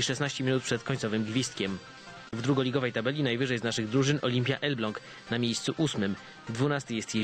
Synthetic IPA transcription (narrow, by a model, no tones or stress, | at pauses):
iʂɛsnaɕt͡ɕɛmʲinut̪̚pʂɛt̪kɔɲʲtsɔvɘmɡvʲist̪̚kʲɛm | vd̪ɾuɡɔlʲiɡɔvɛjt̪abɛlʲinajvɘʐɛjznaʂɘɣd̪ɾuʐɘnɔlʲimʲpʲja̰ʔɛlblɔŋk | namʲjejst̪suʔusmɘm | d̪vunast̪ɘjɛst̪ʲjɛ